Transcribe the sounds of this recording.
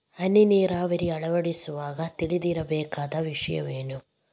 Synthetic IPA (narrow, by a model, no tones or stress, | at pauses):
ɐniniːraːʋɐɾiɐɭɐʋɐɽisuʋaːɡɐt̪iɭid̪iɾɐbeːkːaːd̪ɐʋiʂɐjɐ̰ʋeːnu